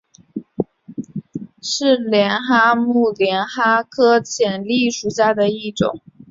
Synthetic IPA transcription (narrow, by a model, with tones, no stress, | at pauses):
ʂɻ̩˥˩ljɛ˧˥nxa˥mu˥˩ljɛ˧˥nxa˥kʰɤ˥t͡ɕʰjɛ˨˩nli˥˩ʂu˨˩ɕja˥˩d̪ə˩i˥˩ʈ͡ʂʊ̰˨˩˦ŋ